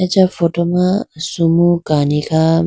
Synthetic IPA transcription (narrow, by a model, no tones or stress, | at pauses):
ɛd͡ʒafɔtɔmasumukanika